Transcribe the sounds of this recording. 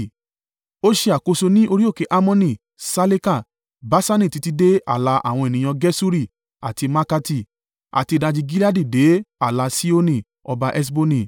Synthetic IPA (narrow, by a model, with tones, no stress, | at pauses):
o˦ʃe˧a˨ko˧so˧nĩ˦o˧ɾi˦o˦˨ke˨˧˦ʔa˧mɔ̃˧nĩ˨ | sa˧le˦ka˦˨ | ba˨˦sa˦nĩ˦˨ti˧ti˧de˦a̰˦˨la˧ʔa̰˦˨w̃ɔ̃˧e˨nĩ˨j̃ã˧ɡɛ˦su˦ɾi˦˨ | a̰˨ti˧ma˦ka˧ti˦˨ | a̰˨ti˧da˧d͡ʒi˧ɡi˦la˦di˦˨de˨˦a˦˨la˧si˦o˦nĩ˦˨ | ɔ˧ba˧ʔɛ˦s̬bo˧nĩ˨